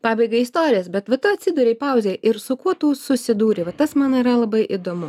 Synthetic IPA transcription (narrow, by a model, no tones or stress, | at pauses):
pɑːbʲɛɪɡɐɪist̪oːɾʲɪjɛsbʲɛt̪ʋɐt̪ʊɐt̪ʲsʲɪd̪uːɾʲɛɪpɑˑʊzʲejʔɪɾsʊkuɔt̪uːsʊsʲɪd̪uːɾʲɪʋɐt̪ɐsmɑːnɐiɾɐlˠɐbɐɪʔid̪oːmʊ